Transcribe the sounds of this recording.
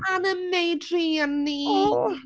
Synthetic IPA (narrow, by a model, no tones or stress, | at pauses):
anəmːejdrianːio